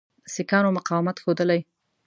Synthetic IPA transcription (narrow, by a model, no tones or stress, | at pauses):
sikɑnomʊqɑwmat̪xod̪əlaj